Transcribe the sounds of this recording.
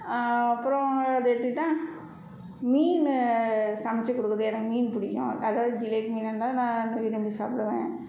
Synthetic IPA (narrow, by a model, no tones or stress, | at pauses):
ɐpːɯɾɔ̃ɐðɯɛʈ̪ːɯʈːãː | miːn | sɐmɐt͡ʃːɐkɔɽɯkːɯðɯɛnɐkːɯmiːnpʊɽɪkːõ̰ːɐðaːʋðɯd͡ʒɪleːʈmiːnɐnlãːnãːnɐʋɪɾɐmbisa̰ːpɪɽɯʋẽː